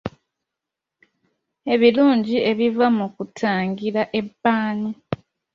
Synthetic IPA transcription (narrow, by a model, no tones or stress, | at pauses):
e̞βiluːɲɟie̞βivamukutʰaːŋɡiɾaʔe̞bːaːni